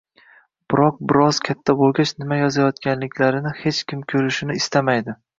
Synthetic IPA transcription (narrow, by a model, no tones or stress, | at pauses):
b̥ɪɾɒq̚bɪɾɒz̥kʲʰat̪ʰːabolˠɡʲat͡ʃnɪmajɒzajɒt̪kʲanlɪkʲʰlaɾɪnɪhe̞t͡ʃkʲʰɪmkʲʰɵɾɪʃɪnɪːst̪amajd̪ɪ